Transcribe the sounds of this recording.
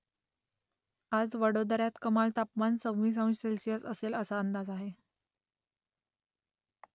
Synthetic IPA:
ad͡zʋəɽod̪ɾjat̪kəmalt̪apmansəʋʋiːs̬ə̃ʋ̃selsijat͡səseləsaənd̪ad͡zaɦe

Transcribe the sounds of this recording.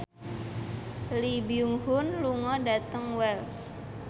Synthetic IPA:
libiuŋhʊnluŋɔdat̪əŋwɛls

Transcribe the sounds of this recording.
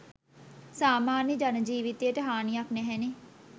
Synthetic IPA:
saːmaːnjəd͡ʒɐnd͡ʒiːʋit̪ijəʈ̪əɦaːniaknɛɦɛne

